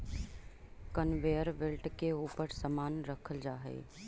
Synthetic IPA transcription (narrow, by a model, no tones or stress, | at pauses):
kənʋeːəɾʋɪlʈkeuːpəɾsəmaːnɾəkʰəld͡ʒaːɦḛː